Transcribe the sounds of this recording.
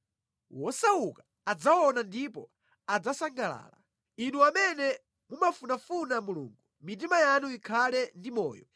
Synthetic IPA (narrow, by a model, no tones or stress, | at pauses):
wɔsauka | ad͡zawɔnandipɔ | ad͡zasaŋɡala̰ːla̰ | inuamɛnɛ | mumafunafunamuluːŋɡumit̬imajanuikʰalɛndimɔ̰ːjɔ̰